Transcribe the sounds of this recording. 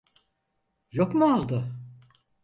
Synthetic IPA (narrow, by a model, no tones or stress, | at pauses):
jokmualˠd̪ɯ